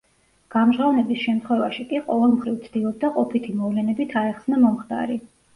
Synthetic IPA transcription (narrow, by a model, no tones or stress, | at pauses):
ɡ̥amʒʁavnɛbisʃɛmt̪ʰχwɛvaʃikʼiqʼɔvɛlˠmχɾivt̪sʰd̪̥ilˠɔb̚d̪aqʼɔpʰit̪ʰimɔvlɛnɛbit̪ʰaɛχsnamɔmχt̪a̰ɾi